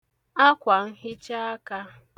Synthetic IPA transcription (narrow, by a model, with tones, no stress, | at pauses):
a˦kʷa˨n̩˦ɦɪ˦t͡ʃa˦a˦ka˦